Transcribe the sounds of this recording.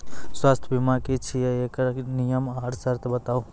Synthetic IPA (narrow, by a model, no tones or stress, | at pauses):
swaːst̪ʰbimakit͡ʃʰijəekɾnijəmaːɾsəɾt̪ʰbət̪au